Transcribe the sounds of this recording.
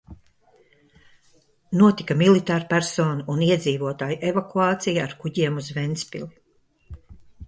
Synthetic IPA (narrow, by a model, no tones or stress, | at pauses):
nuɔt̪ikamilˠit̪aːɾpæɾsoːnuʔuniɛd̪ziːvuɔt̪aːjuʔevakuaːt̪sijaːɾkuɟiɛmuzvɛnt̪spḭli